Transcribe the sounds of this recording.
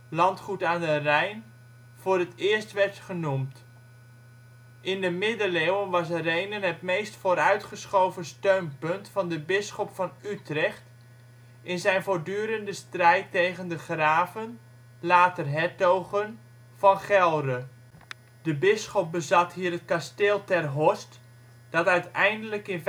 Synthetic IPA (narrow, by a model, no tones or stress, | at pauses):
lɑntχutaːndərɛjn | v̥ʊːrətɪːɹstʋɛrtχənumt | ʔɪndəmɪdəlewənʋɑs̬rejnənɦətmejstfoːɾœɥtχəsχowvəstøɥnpɵntfɑndəbɪsχɔpfɑnytrɛχt | ɪnzɛjnvoːrdyːɾəndəstrɛjtːejɣəndəχraːvən | laːtərɦɛtowχən | v̥ɑnχɛlˠdə | d̥əbɪsχɔp̚bəzɑtɦiːɾətkasteːlˠtɛrɦɔst | d̥ɑtœɥtɛjndələkɪn